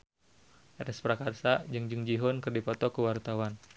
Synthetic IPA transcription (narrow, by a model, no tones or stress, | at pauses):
ɾɛspɾakarsad͡ʒɨŋd͡ʒɨŋd͡ʒiɦɔnkɨrdipɔt̪ɔkəwart̪awan